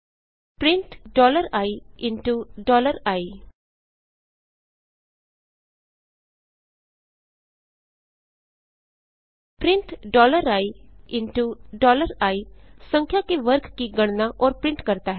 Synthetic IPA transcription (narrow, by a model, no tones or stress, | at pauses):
pɾɪ̃ɳʈɖɔːləɾaːiːɪ̃nʈuɖɔːləɾaːiː | pɾɪɳʈɖɔːləɾaːiɪnʈuɖɔːləɾaːiːsə̃ŋkʰjaːkeʋəɾkkiɡəɽ̃naʔɔːɾpɾɪ̃ɳʈkəɾt̪aːɦɛ